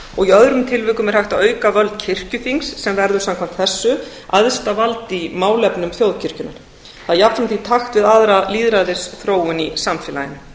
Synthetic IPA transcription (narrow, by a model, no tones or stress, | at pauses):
ɔɣiœðɾʏmt̪ʰɪlvʏːkʏmɛɾ̥haht̪aœːɥkavœlt̪cʰɪr̥cʏθiŋsːɛmvɛɾðʏɾ̥samkʰvam̥t̪θɛsːʏ | aðst̪avalt̪imaːwlɛpnʏmθjowðcʰɪr̥cʏna̰ɾ̥ | θaðjap̚t̪fɾamθit̪ʰaxt̪vɪðaðɾaliːðɾaðɪsθɾoːwʏnisamfɛːla̰jɪnʏ